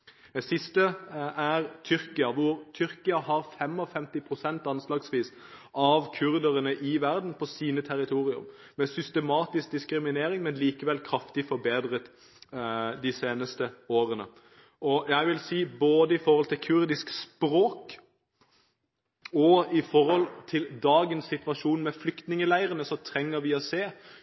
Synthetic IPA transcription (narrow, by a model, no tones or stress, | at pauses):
d̪ɛsɪst̪əʔæɾt̪ʰʏɾkɪɑʋʊɾt̪ʰʏɾkɪɑhɑɾfɛmɔfɛmt̪ɪpʰʁʊsɛnt̪ɑnslɑːɡsʋiːsʔɑʋkʰʉɾd̪əɾənəʔɪʋæʁd̪n̩pʰɔsiːnət̪ʰæɾɪt̪ʰuːɾɪʉ̰m | mɛsʏst̪ɛmɑːt̪ɪsk̚d̪ɪskɾɪmɪneːɾɪŋmɛnliːkəʋɛlkʰɾɑft̪ɪfɔɾbeːd̪ʁət̪ | d̪ɪseːnəst̪əoːɾənə | ʔɔjæɪʋɪlsiːboːd̪əɪfɔɾhɔlt̪ʰɪlkʰʉɾd̪ɪskspɾoːk | ɔɪfɔɾhɔlt̪ʰɪld̪ɑːɡənsːɪt̪ʋɑʃuːnmɛflʏkt̪nɪŋəlæɪʁənəsɔt̪ʰɾɛŋːəɾʋɪɔseː